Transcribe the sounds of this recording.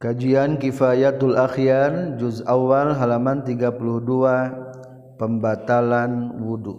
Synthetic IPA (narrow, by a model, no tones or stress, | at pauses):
kad͡ʒiankifajat̪alʔaxjard͡ʒuzawalɦalamant̪iɡapulʊhdua | pəmbat̪alanwudu